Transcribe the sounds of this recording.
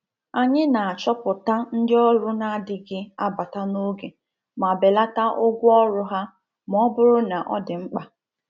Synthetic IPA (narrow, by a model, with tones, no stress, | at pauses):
a˨ɲɪ˦na˨a˨t͡ʃɔ˦pʊ˨ta˦n̩˦dɪ˦ɔ˦ɾʊ˦na˦dɪ˨ɡɪ˦a˦ba˨ta˦no˦ɡe˨ | ma˨be˨la˦ta˦ʔʊ˦ɡʷʊ˦ɔ˦ɾʊ˦ɦa˦ | m˨ɔ˦bʊ˦ɾʊ˦na˨ʔɔ̰˦dɪ˨ŋ͡m̩˦k͡pa˨